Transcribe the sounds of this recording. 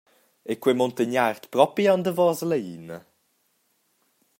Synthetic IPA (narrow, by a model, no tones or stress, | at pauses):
ekwemɔnt̪əɲart̪pɾɔpiɔnd̪əvɔːzələiːnə